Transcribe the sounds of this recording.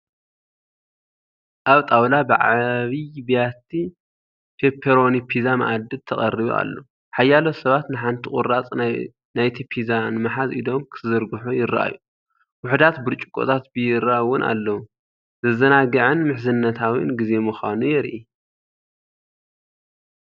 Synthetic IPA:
ʔaβt̪ʼawlabɨʕaβibijat̪ʰi | pʰepʰeɾo̞nipʰizamɐ̰ʔad̪ɨd̪̚t̪ʰɐχʼɐriβṵʔa̰lːo̰ | ħajːalosɐβat̪nɨħant̪ʰiχʼʊ̰ɾat͡sʼ | najt̪ʰipʰizanmaħazʔid̪o̞mkʰɨɨzɐɾɡuħujɪɾɐʔa̰ju | wʊħd̪at̪bɨɾt͡ʃʼukʼːo̰t̪ʰat̪bɨjɪɾaʔwʊnʔa̰lːɐwu | zɐzɐnaɡɐʕɨnmɨħzɨnːɐt̪ʰawinɡize̞muxanujɛɾʔi

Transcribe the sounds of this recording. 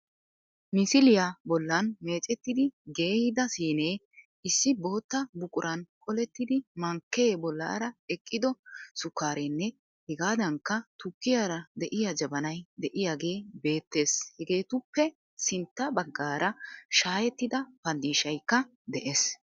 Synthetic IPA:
mɪsɪlɪjabɔlːɐnme̞ːt͡ʃʼɛt̪ːɪd̪ɪɡe̞ːhɪd̪ɐsiːneː | ɪsːɪbo̞ːt̪ːɐbʊkʼʊɾʔɐnkʼɔlɛt̪ːɪd̪ɪmɐŋkːeːbɔlːa̰ːɾɐɛkʼːɪd̪ɔsʊkːaːɾɛnːɛ | hɛɡaːd̪ɐŋkːɐt̪ʊkːɪjaɾɐd̪ɛʔɪjɐd͡ʒɐbɐnɐjd̪ɛʔɪjaːɡe̞ːbe̞ːt̪ːe̞ːshɛɡe̞ːt̪ʊpːɛ | sɪnt̪ːɐbɐɡːaːɾɐʃaːjɛt̪ːɪd̪ɐpɐnd̪iːʃɐjkːɐ | d̪ɛʔeːs

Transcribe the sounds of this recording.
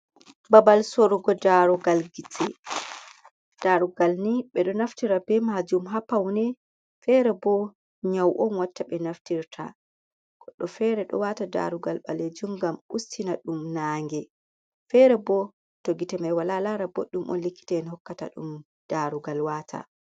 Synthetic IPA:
babalsoɾuɡɔdaɾuɡalɡitʰɛ | d̥aɾuɡalniɓɛɗɔnaftiɾabɛmad͡ʒumɦapːawnɛ | fɛɾɛbɔ | ɲawʔɔnwatːaɓɛnaftiɾtʰa̰ | ɡ̥ɔɗːɔfɛɾɛɗɔ̰watada̰ɾuɡalɓaled͡ʒumɡamustinaɗumnaːŋɡɛ | fɛɾɛbɔ | toɡitɛmajwalalaɾabo̰ɗumʔɔ̰nlikːi̥tɛnhɔkːata̰ɗṵm | d̥aɾuɡalwaːtʰa̰

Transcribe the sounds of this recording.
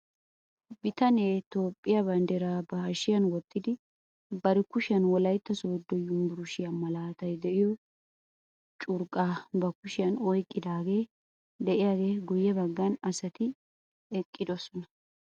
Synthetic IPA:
bɪt̪ɐneːt̪o̞ːpʼːɪjɐbɐnd̪ɛɾaːbɐhɐʃɪjɐnwɔt̪ːɪd̪ɪ | bɐɾɪkʊʃɪjɐnwɔlɐjt̪ːɐsoːd̪ːɔjʊmbʊɾʊʃɪjɐmɐlaːt̪ɐjd̪ɛʔɪjɔ | t͡ʃʼʊɾkʼaːbɐkʊʃɪjɐnɔjkʼːɪd̪aːɡe̞ː | d̪ɛʔɪjaːɡe̞ːɡʊjːɛbɐɡːɐnɐsɐt̪ɪ | ɛkʼːɪd̪ɔsɔnɐ

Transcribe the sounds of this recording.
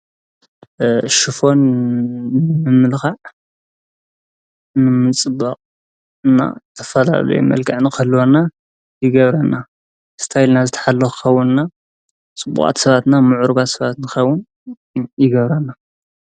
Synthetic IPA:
ʃɨfo̞n | ɨmɨlxaʕ | nɨmɨt͡sʼɨbːa̰qʼ | ɨna̰t̪ʰɐ̥fɐla̰lɐ̰jṵmɐ̰lkʰʼɨʕnikʰɐlːwona | jɪɡɐβɾɐna | st̪ʰajlnazɨt̪ʰɐ̥ħalːɐxɨ̥xɐwʊnɨna | t͡sʼɨbːṵkʼa̰t̪sɐβat̪namʊʕuɾɨβat̪sɐβat̪nɨxɐwːʊn | jɪɡɐβɾɐnːa

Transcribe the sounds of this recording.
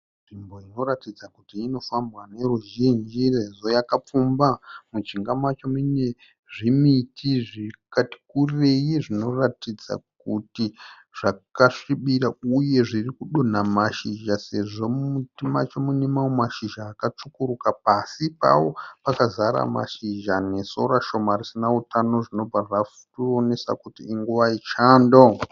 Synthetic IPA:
nʐimbo̞ino̞ɾatid͡zakutiːno̞fambwane̞ruʒind͡ʒireʐo̞jakap͡fumbamut͡ʃiŋɡamat͡ʃo̞mine | ʐimitʰiʐikati̥kurire̞jiʐino̞ratid͡za̰k̚uti | ʐ̥akaʂiɓiɾauje̞ʐirikuɗo̞namaʃiʒase̞ʐo̞mutimat͡ʃemunemaomaʃiʒaːkat͡ʂukuɾukapasipa̰wo̞pakazaɾa̰ma̰ʃiʒane̞so̞̰ɾaʃo̞marisinautʰano̞ʐino̞b͡varaftuone̞sa̰kutiːŋɡuʋait͡ʃaːndo̞

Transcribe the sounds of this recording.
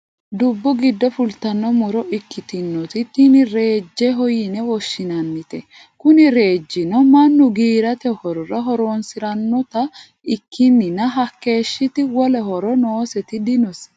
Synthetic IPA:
d̪ʊbːɔɡɪd̪ːɔfʊlt̪ɐnːɔmɔɾɔʔɪkʰːɪt̪ɪnːɔt̪ɪt̪ːɪnɪɾe̞ːd͡ʒːɛɦɔjɪnɛwɔʃːɪnɐnːɪt̪ɛ | kʊnɪɾe̞ːd͡ʒːɪnɔmɐnːʊɡiːɾɐt̪ɛhɔɾɔɾɐɦɔɾoːnsɪɾɐnːɔt̪ɐ | ɪkʰːɪnːɪnɐɦɐkːe̞ːʃːɪt̪ɪwɔlɛɦɔɾɔnoːsɛt̪ɪd̪ɪnɔs

